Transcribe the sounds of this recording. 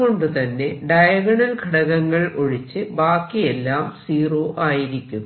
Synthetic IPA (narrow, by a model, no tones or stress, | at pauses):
o̞ɳɖɨt̪ɐnːe̞ɖɐjɐɡɐɳɐlkʰɐɽɐɣɐŋːɐɭo̞ɻit͡ɕːɨbaːkːije̞lːaːmsiːroːʔaːjiɾikʲːum